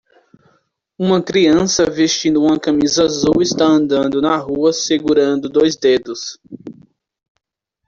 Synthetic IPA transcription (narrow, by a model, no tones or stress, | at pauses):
ũmɐkɾiɐ̃sɐvest͡ʃĩnd̪ʊũmɐkɐmizazuwɪst̪aɐ̃nd̪ɐ̃nd̪ʊnɐɦuɐseɡuɾɐ̃nd̪ʊd̪ojzd̪ed̪ʊs